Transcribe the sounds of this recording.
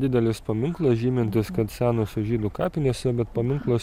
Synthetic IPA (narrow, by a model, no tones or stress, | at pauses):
d̪ʲɪd̪ʲɛlʲɪspɐmʲɪŋklˠɐsʒʲiːmʲɪnʲt̪ʲɪskɐt̪sʲæːnoːsʊʒʲiːd̪ʊkɑːpʲɪnʲeːsʲɛbʲɛt̪pɐmʲɪŋklˠos